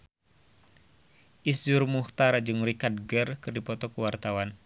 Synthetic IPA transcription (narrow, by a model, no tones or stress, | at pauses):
ʔisd͡ʒurmuht̪aɾad͡ʒɨŋrikad̚ɡərkɨrdipɔt̪ɔkuwart̪awan